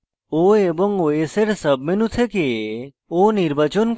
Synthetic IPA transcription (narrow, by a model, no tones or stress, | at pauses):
oeboŋoeseɾsɐbmenut̪ʰeke | oniɾbɐt͡ʃənk